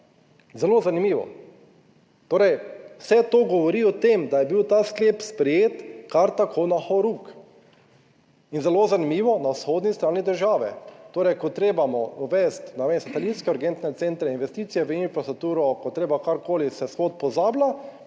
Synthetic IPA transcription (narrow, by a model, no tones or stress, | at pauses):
zɛloːzanimiːʋɔ̰ | t̪oːɾɛjwsɛt̪oːɡɔʋɔɾiɔt̪emd̪ajɛbiwt̪aːsklepspɾɛjeːt̪kaɾt̪akʰonaxɔɾuk | inzɛlozanimiːʋɔnawsxoːd̪nist̪ɾaːnid̪əɾʒaːʋɛ̰t̪oːɾɛjkɔt̪ɾeːbamɔɔʋɛst̪nɛʋemsat̪ɛlinskɛuɾɡent̪nɛt̪sent̪ɾɛinʋɛst̪iːt̪sijɛʋəinfɾast̪ɾuk̚t̪uːɾɔkɔt̪ɾeːbakaɾkoːlisɛsxot̪̚pɔzaːbla